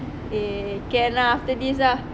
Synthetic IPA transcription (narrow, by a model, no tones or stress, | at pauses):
ekɛnaaft̪ədis̬lah